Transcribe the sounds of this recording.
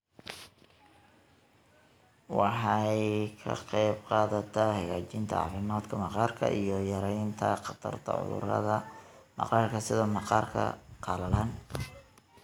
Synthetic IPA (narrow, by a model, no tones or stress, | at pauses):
wɑħɑjkʰɐ̰qɛjbqɑːðɐt̪ʰɐhɛɣaːt͡ʃɪnt̪ʰɐ̰ɑ̰ːfɪmaːd̪kʰɐmɑqɑːrkʰɐ̰ʔijɔjɐɾɛjnt̪ʰɐ̰qɑt̪ʰɐrt̪ʰɐ̰ʕʊ̰ðʊ̰ɾɐ̰ðɐ | mɑ̰qɑːrkʰɐsɪðɔmɑqɑːrkʰɐ̰qɑːlɐlaːn